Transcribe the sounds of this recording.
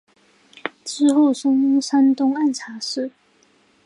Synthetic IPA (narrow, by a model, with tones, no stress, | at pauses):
ʈ͡ʂɻ̩˥xo˥˩ʊʂɤ˥ŋu˥sa˥nt̪ʊ˥ŋa˥˨nʈ͡ʂʰa˨˧˥ʂɻ̩˥˩˨